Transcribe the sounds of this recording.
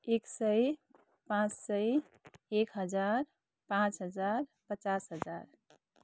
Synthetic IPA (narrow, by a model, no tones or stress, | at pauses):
eksəj | pãt͡ʃsəj | ekɦəd͡ʒaɾ | pãt͡ʃɦəd͡ʒaɾpət͡ʃasɦəd͡ʒaɾ